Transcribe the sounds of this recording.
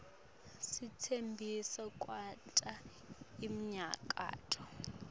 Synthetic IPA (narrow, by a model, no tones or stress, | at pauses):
sitʰembʱisɔkʼwatʼa | im̩ɲa̰kʼa̰ːtʼɔ